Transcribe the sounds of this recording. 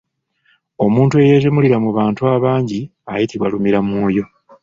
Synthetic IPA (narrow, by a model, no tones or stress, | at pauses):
o̞muːntue̞je̞ːzimuliɾamuβaːntuaːβaːɲɟiajitiβwalumiɾamuːjo̞